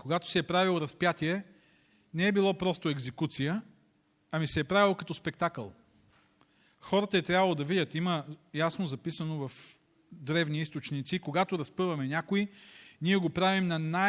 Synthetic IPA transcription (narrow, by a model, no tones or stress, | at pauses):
koɡat̪o̥sɛɛpɾavilˠoɾɐspjat̪ʲiɛ | nɛɛbilˠɔpɾɔst̪oɛɡzɛkut̪sijə | ɐmisɛːpɾavilˠkɐt̪ɔspɛk̚t̪akə̰lˠ | xɔɾət̪əɛt̪ɾʲavɐlˠod̪ɐvidʲət̪iməjasnozɐpisənovɐf | d̪ɾɛvniist̪ot͡ʃnit̪sikoɡat̪oɾɐspɤvɐmɛnʲakoiniɛɡopɾavimnɐna